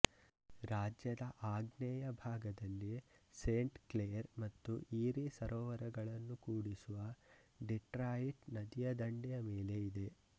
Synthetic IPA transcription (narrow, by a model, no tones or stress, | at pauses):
ɾaːd͡ʒjɐd̪ɐʔaːɡnɛjɐbʱaːɡɐd̪ɐlːiseːɳʈklejɐɾmɐt̪ːuʔiːɾisɐɾʔɔːʋɐɾɐɡɐɭɐnːukuːɽisuʋɐ | ɖiʈɾaːjiʈnɐd̪ijɐd̪ɐɳɖɛjɐmeːle̞id̪e̞